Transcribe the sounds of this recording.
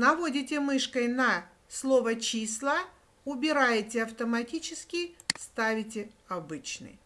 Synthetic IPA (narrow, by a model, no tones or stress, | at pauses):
nɐvo̞dʲɪtʲɪmɨʂkəjnɐ | slˠo̞vət͡ɕislˠə | ʊbʲɪɾajɪtʲɪɐft̪əmɐtʲit͡ɕɪskʲɪst̪avʲɪtʲɪɐbɨt͡ɕnɨ̰j